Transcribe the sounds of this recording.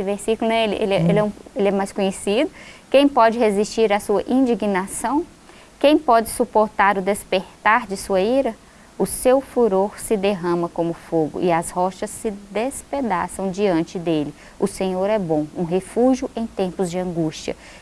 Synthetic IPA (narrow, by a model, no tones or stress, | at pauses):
esɪveɾsikulʊnɛelɪʔḛlɛelɛũelɪɛmajskõɲesid̪ʊkẽj̃pɔd͡ʒɪɦezist͡ʃiɾasuɐʔĩd͡ʒiɡinasɐ̃w̃ | kẽj̃pɔd͡ʒɪsupoɾt̪aɾʊd̪espeɾt̪aɾd͡ʒɪsuɐiɾɐ | ʊsewfuɾoɾsɪd̪eɦɐ̃mɐkõmʊfoɡʊ̰ʔɪɐshɔʃɐsːɪd̪esped̪asɐ̃w̃d͡ʒiɐ̃nt͡ʃɪd̪elɪ | ʊsẽɲoɾɛbõũɦefuʒijʊʔẽj̃t̪ẽmpʊzd͡ʒɪɐ̃ɡuʃt͡ʃiɐ̰